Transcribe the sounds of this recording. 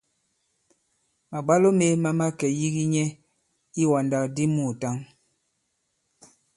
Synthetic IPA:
ma˨ɡ͡ba˦lo˦me˦ma˦ma˦kɛ˨ji˦ɣi˦ɲɛ˦ | i˦wa˨nda˨kdi˦mu˦˨ta˦ŋ

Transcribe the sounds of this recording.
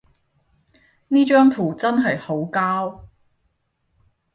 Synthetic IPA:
niː˥t͡ʃœː˥ŋt̪ʰuː˨˩t͡sɐ˥nɦɐ˨jho˨˥wkaː˥w

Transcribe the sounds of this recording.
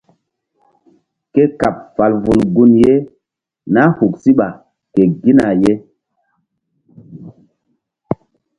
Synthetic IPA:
ke˦ka˨p̚fa˨lvu˨nɡu˦nje˦ | na˦hu˨k̚si˦ɓa˨ | ke˨ɡi˦na˨je˦

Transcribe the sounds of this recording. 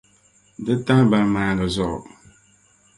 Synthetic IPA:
dɨ˦ta˦ba˨ma˨ɡə˨zɔ̰˨

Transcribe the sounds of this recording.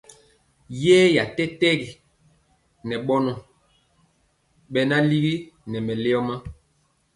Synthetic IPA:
je˦ja˨tɛ˦tɛ˦ɡi˨ | nɛ˨ɓɔ˦nɔ˨ | ɓɛ˦na˦li˦ɡi˦nɛ˨mɛ˨le˦ɔ˦ma˦

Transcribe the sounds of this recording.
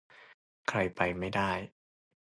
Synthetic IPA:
kʰɾa˧jpa˧jma˥˩jdaː˥˩j

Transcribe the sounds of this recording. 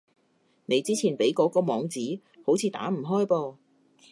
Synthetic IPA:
ne˨˧jt͡siː˥t͡sʰiː˨˩npe˨˥jkɔː˨˧˥kɔː˧mɔː˨˧ŋt͡siː˨˥ | ho˨˥wt͡sʰiː˨˧t̪a̰ː˨˥m̩˨˩ɦɔː˥jpɔː˧

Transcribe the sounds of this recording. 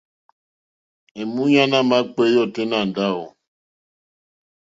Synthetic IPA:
e˨mũ˦ɲa˦na˦ma˦k͡pe˦jɔ˦˨te˦na˨n˨da˦˨o˨

